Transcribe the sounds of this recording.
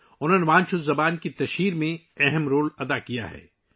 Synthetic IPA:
ʊnɦoːneʋãːnt͡ʃʰʊzːɐbaːnkit̪ɐʃiːɾmẽ | ɛɦɛmɾoːlɐd̪akija̰ɦɛ̰ː

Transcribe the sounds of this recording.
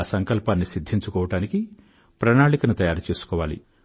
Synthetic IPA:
sɐŋkɐlpaːnːisid̪ʱːiɲt͡ʃukɔːʋɐʈaːniki | pɾɐnaːɭikɐnut̪ɐjaːɾut͡ʃeːsu̥kɔːʋaːlḭ

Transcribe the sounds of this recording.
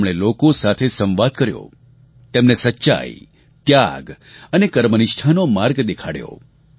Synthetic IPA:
mɽ̃elokosat̪ʰesə̃mʋad̪̚kəɾjo̰ | t̪emnesətːʃa̰i | t̪jaɡ | ənekəɾmənɪʃʈʰanomaɾɡd̪ekʰaɽjo̰

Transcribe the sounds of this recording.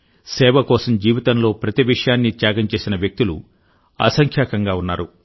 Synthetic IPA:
sɛːʋɐkɔːsɐmd͡ʒiːʋit̪ɐnlo̞ːpɾɐt̪iʋiʂɐjaːnːit̪jaːɡɐmt͡ʃe̞ːsinɐʋjɐk̚t̪ulṵ | ɐ̰sɐŋkʰjaːkɐŋɡaːunːaːɾu

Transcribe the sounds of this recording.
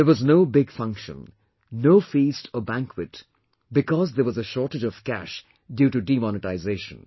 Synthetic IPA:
ðəwɔznoʊbɪɡfʌ̃ŋkʃə̰̃n | noʊfistʰəbæ̃ŋkʰwɨt | bɪkɔzðəwʌzəʃɔɹʈəd͡ʒʌv̥kæ̰ʃ | djuːʈuɖimɔnɨʈaɪzeɪʃə̰̃n

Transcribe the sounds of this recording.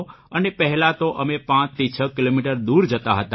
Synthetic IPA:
ənepəɦɛlãt̪oʔəmepãt͡ʃt̪ʰit͡ʃʰəkilomiʈəɾd̪uɾd͡ʒət̪aɦət̪a

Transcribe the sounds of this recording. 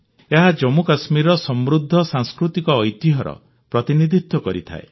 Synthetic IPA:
eɦad͡ʒɔmukasmiɾɔsɔmɾud̪ʱːɔsãŋskɾut̪ikɔːjt̪iɦɔɾɔ̰ | pɾɔt̪inid̪ʱit̪wɔkɔɾit̪ʰa̰e

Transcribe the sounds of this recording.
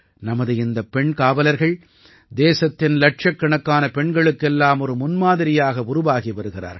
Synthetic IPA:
nɐmɐðɯɪnd̪ɐpɛɳkaːʋɐlɐɾɣɐɭ | d̪eːsɐt̪ːɪnlɐʈʂɐkːɐɳɐkːaːnɐpɛɳɡɐɭɯkːɛlːaːmɔɾɯmʊnmaːðɪɾɪjaːɣɐʊɾʊʋaːɣiʋɐɾɯɣɪra̰ːɾ

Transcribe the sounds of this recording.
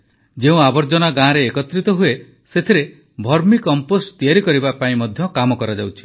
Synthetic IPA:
d͡ʒeũabɔɾd͡ʒɔnaɡãːɾeːkɔt̪ɾit̪ɔɦue | set̪ʰiɾe | bʱɔɾmikɔmpost̪ijaɾikɔɾibapaĩmɔd̪ʱjɔkamɔkɔɾad͡ʒawt͡ʃʰi̥

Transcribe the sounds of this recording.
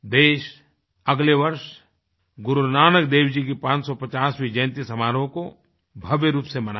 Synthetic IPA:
d̪eːʃ | ɐɡleʋɐɾʃ | ɡʊɾuɾnaːnəkd̪eːwd͡ʒikepãːt͡ʃsɔpɐt͡ʃaːswid͡ʒə̃ːnt̪isɐmaːɾõko | bʱɐʋjəɾuːpsemɐna

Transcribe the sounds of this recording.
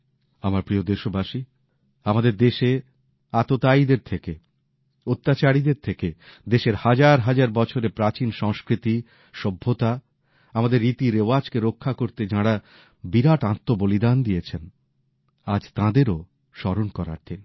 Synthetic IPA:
amaɾpɾiod̪eʃobaʃi | amad̪eɾd̪eʃe | at̪ot̪aid̪eɾt̪ʰeke | ot̪ːat͡ɕaɾid̪eɾt̪ʰeked̪eʃeɾhad͡ʑaɾɦad͡ʑaɾbɔt͡ɕʰoɾepɾat͡ɕinʃɔŋskɾit̪i | ʃɔbʱːot̪a | amad̪eɾːit̪iɾeoad͡ʑkeɾokʰːakoɾt̪ed͡ʑaɽa | biɾaʈãt̪ːobolid̪and̪ijet͡ɕʰen | ad͡ʑt̪ãd̪eɾo | ʃɔɾonkɔɾa̰ɾt̪ʰen

